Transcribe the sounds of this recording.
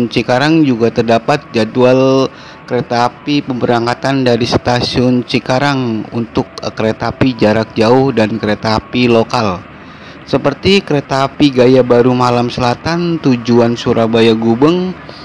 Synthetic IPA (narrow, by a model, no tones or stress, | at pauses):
nt͡ʃikaɾaŋd͡ʒuɡat̪ərdapat̪̚d͡ʒadual | kəɾet̪aːpipəmbəɾaŋkat̪andaɾist̪asiʊnt͡ʃikaɾaŋṵnt̪ʊkːəɾet̪aːpid͡ʒaɾak̚d͡ʒaʊhdankəɾet̪aːpilokal | səpərt̪ikəɾet̪aːpiɡajabaɾumalamsəlat̪ant̪ud͡ʒuansuɾabajaɡubəŋ